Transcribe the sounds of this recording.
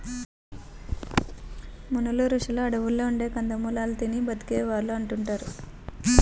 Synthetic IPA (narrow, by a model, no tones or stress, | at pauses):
munuluɾuʂɐlɐɐɽɐʋulːoːuɳɖe̞ːkɐnd̪ɐmuːlaːlɐt̪inibɐt̪i̥keːʋaːɾluɐɳʈuɳʈaːɾu